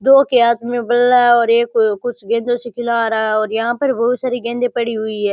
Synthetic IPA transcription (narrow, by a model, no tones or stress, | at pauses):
d̪oːkeaːt̪mẽbəlːaɔːɾeːkːʊt͡ʃʰɡẽːnd̪oːsɪkʰɪlaːɾaːɔːɾjɐɦãːpəɾbɐɦʊt̪saːɾiɡẽːnd̪eːpəɽiːɦʊiːɦɛː